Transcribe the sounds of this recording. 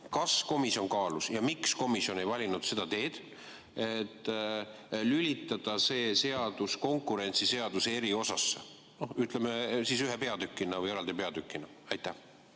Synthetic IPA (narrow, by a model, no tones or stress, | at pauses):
kɑsko̞misio̞nkɑːlusjɑmiksko̞misjo̞ne̞jvɑlʲinud̪̥se̞d̪̥ɑt̪e̞ːd̪̥ | et̪ːˑ | lylʲit̪ːˑɑd̪̥ɑse̞ːse̞ɑd̪usko̞ŋkˑuɾe̞nʲt̪sise̞ɑd̪̥use̞ɾio̞sɑsːe | no̞hyt̪ˑlemesisyɦepe̞ɑd̪̥ykːˑinɑvɯjeɑld̪ipe̞ɑd̪ykːˑinɑ | ɑjt̪ːˑæh